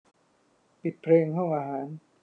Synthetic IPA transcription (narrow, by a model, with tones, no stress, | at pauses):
pi˨˩t̪̚pʰɾeː˧ŋhɔ˥˩ŋʔaː˧ɦaː˩˦n